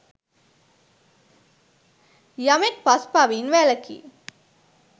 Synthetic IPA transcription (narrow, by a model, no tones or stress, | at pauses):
jɐmeʈ̚paspaːʋinʋæːlɐkḭː